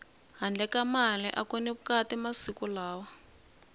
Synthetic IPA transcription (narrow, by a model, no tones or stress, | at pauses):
ɦand͡ɮʱɛkamalɛʔakonɛβukatimasikulaːwa